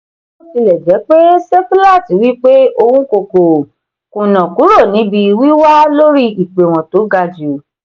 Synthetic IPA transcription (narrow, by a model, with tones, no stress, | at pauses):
o˦ti˧lɛ˨d͡ʒɛ˨˦k͡pe˦sɛ˦pu˦la˦˨ti˨˦wi˦k͡pe˦o˧wũ˦ko˧˨ko˨ | kũ˨nã˨ku˨˦ɾo˦˨nĩ˨˦bi˧wi˦wa˦lo˦ɾi˦i˨k͡pe˨w̃ɔ̃˨to˨˦ɡa˧d͡ʒi˨o˨